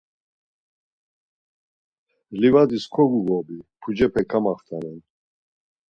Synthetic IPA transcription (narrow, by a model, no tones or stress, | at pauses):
livad̪iskʰɔɡuɡɔbipʰud͡ʒɛpʰɛkʰamaχt̪ʰanɛn